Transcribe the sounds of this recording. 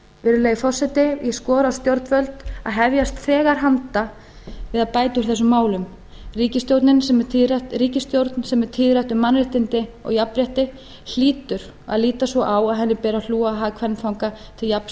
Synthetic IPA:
vɛːɾʏleːjɪfɔrsɛt̪ɪjɛskɔːɾaawst̪jowɾt̪nvœlt̪a̰ðɦɛvjast̪θɛːɣaɾ̥ɦant̪a | vɪðaðpaːjt̪ʏɾ̥θɛs̬ːʏmːaːwlʏm | riːcɪst̪jowɾt̪nɪnsɛmat̪riːcɪst̪jowɾt̪nsɛmɛɾt̪ʰɪːðɾajht̪ʏmːanɾɪht̪ɪnt̪ɪɔ̰ɣjapɾjaht̪ɪ | l̥iːt̪ʏɾ | a̰ðliːt̪asvɔʔawaðɦɛnːɪpɛːɾaluːaɦaːðkʰvɛnfawŋkat̪ʰɪljap

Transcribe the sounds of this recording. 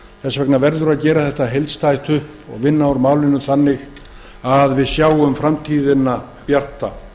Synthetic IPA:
θɛsːavɛknavɛɾðʏɾaðcɛːɾaθɛht̪aɦejlt̪st̪ajt̪ʰʏhpɔ̰ɣvɪnːaɔɾmaːwlɪnʏθanːɪɣ | aðvɪðsjaːwʏmfɾamt̪ʰiːðɪna | pjar̥t̪a

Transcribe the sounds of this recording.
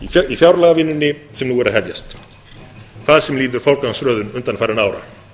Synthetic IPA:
ifjawɾlaɣavɪnːʏnːɪsɛmnuɛɾaðɦɛvja̰st̪ | kʰv̥aðsɛmliːðʏɾ̥fawlkansɾœːðʏnʏnt̪anfajɾɪnaːwɾa̰

